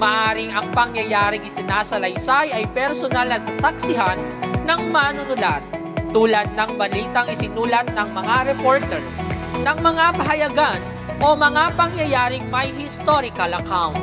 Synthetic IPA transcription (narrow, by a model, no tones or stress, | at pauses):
mɐʔaːɾɪŋɐŋpɐŋjɐjaːɾɪŋɪsɪnasɐlɐjsajɐjpɛɾsonalɐt̪̚sɐk̚sɪɦanːɐŋmaːnʊnʊlat̪̚ː | uːlɐd̪̚nɐŋbɐliːt̪ɐŋɪsɪnuːlɐt̪̚nɐŋmɐŋaɾɛpoɹt̪ɛɹ | nɐŋmɐŋapɐɦɐjɐɡan | ʔo̞mɐŋapɐŋjɐjaːɾɪŋmɐjhɪst̪oɾɪkɐlɐkawnt̪̚